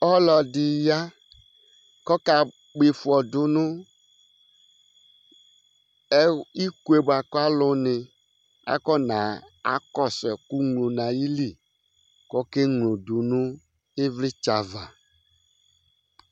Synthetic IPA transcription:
ɔ˦lɔ˨di˨ja˦ | kɔ˦ka˨ | k͡pi˨fɔ˨dʊ˨nʊ̃˦ | ɛ˦i˦ku˦e˨ba˨kɔ˦a˦lʊ˨nɪ̃˨ | a̰˦kɔ˦nã˨a̰˨kɔ˦sɛ˨ku˦ŋlo˨nã˨ji˦li˦˨ | kɔ˦ke˦ŋlo˨du˨nũ˦ | e˦vli˦t͡ʃa˨va˨

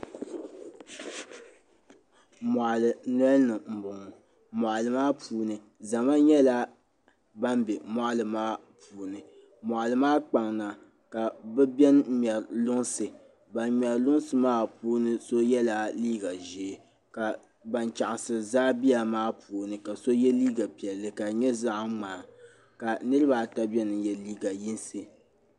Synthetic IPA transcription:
ma˨ʔlɨ˨n˦ɛ˦lnɨ˨m̩˨bʊ˨ŋ˨ | mɔ˨ʔlɨ˨maː˦pʰuː˨nɨ˨ | za˨ma˦ɲɛ˦la˦ | ba˦mbɛ˨ma˦ʔlɨ˨maː˦ | puː˨nɨ˨ | mɔ˨ʔlɨ˨maː˦k͡pa˨ŋna˨ | ka˨bɛ˦bɛ˦n˦m˨ɛ˨ɾlʊ˦ŋsɨ˨ | ba˨nm˨ɛ˨lʊ˦ŋsɨ˨maː˦puː˦nɨ˦so˦jɛ˦la˨liː˦ɡa˨ʒe˨ | ka˨ | ba˨nt͡ʃa˨ʔɪ˨sɨ˨zaː˦bi˦ja˨maː˦puː˨nɨ˨ka˨so˦jɛ˦liː˦ɡa˨pi˨ɛ˨lːɨ˨ka˨ɲɛ˦za˦ʔŋ͡maː˨˦˨ | ka˨nɨ˦ɾɨ˦ba˨ta˦bɛ˦nɨ˨jɛ˦liː˦ɡa˨ji˦nsɨ˨

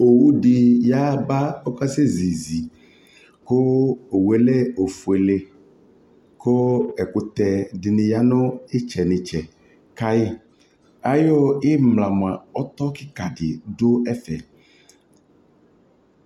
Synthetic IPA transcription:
o˨wu˦ɖɪ˨ja˦ba˦ɔ˦ka˦se˦zi˨zi˨ | ko˦o˨wu˨e˦le˦o˨fu˨e˨le˦ | ko˦ɛ˨kʊ˦t̪ɛ˨dɪ˨nɪ̃˨ja˦nʊ̃˦ɪ˦t͡ʃɛ˨nɪ˨t͡ʃɛ˨ | ka˦ɪ˦ | a˦jo˦ɪ˦mla˨m˨a˨ɔ˦t̪ɔ˦kɪ˦ka˨ɖɪ˨do˦ɛ˦fɛ̰˨

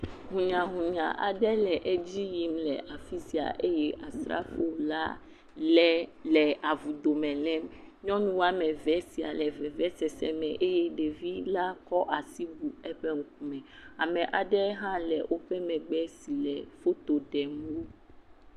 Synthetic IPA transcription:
ɦũ˨ɲã˨ɦũ˨ɲã˨ʔa̰˨ɖɛ˦lɛ˨ʔɛ˦d͡ʑi˦ji˦mlɛ˨ʔa˨fi˦si˨a̰˨ʔe˦jɛ˦ʔa˨sɾa̰˦fo˦la˦ | lɛ˦lɛ˨a˨vu˨d̪o˨mɛ̃˨lɛ̃˦mɲɔ̃˦nũ˦wa˦mɛ̃˨vɛ˦si˨a̰˨lɛ˨vɛ˨vɛ˦sɛ˨sɛ̰˦mɛ̃˨ʔe˦jɛ˦ɖe˨vi˦la˦kɔ˦ʔa˨si˦bu˨ɛ˦ɸɛ˦ŋũ˦k̚u˦mɛ̃˨a˨mɛ̃˨ʔa˨ɖɛ˦ɦã˦lɛ̰˨wʔo˦ɸɛ˦mɛ̃˨ɡ͡bɛ˦si˨lɛ˨fo˦t̪o˨ɖɛ˨m˦wo˦

